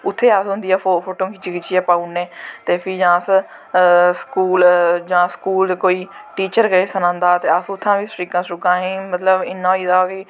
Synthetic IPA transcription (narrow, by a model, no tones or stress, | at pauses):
ʊt̪ʰːeːasɦʊ̃nd̪ijaːfofʰoːʈõːkɪt͡ʃikɪt͡ʃʰiːaːpaːuneːt̪eːpʰiːd͡ʒãːəs | skuːld͡ʒãːskuːld̪koːiːʈiːt͡ʃəɾɡəeːsənãːnd̪aːt̪eːəsʊt̪ʰːãːʋiːsʈɾiːkãːsɾʊkãːɦĩːmət̪ləbɪnːãːiːd̪aːkɪ